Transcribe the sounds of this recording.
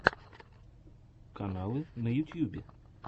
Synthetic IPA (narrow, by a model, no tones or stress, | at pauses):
kɐnalˠɨnɐjʊt̪ʲjubʲɪ